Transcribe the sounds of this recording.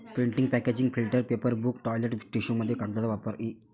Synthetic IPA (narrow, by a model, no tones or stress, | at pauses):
pɾiɳʈiŋɡpɛked͡ʒiŋɡpʰilʈəɾpeːpəɾbukʈɔːjleʈʈiʃuŋmɐd̪ʱjkak̚d̪at̪ɐʋaːpəɾi